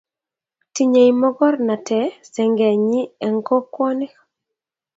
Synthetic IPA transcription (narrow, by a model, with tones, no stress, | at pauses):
ti˨ɲe˨i˨mɔ˦ɡɔ˦rna˨tʰɛ˨sɛ˨ŋɡɛ˨ɲi˦ɛ˨ŋɡɔ˦kwɔ˦nɛ˦